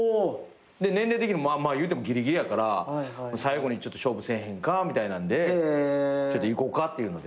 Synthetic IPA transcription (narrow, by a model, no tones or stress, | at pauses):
o | d̪e̞nẽ̞nɾe̞ːt̪ekʲiɲimomamajɯ̟ːt̪emo̞ɡʲiɾʲiɡʲiɾʲijakaɾaonsaiɡo̞ɲ̟it͡ɕo̞t̪ːo̞ɕo̞ːbɯ̟sẽ̞ɰ̃ɦẽ̞ŋkamʲit̪ainãnd̪e̞ | t͡ɕo̞t̪ːoiko̞kat̪ːe̞jɯ̟ːno̞d̪e̞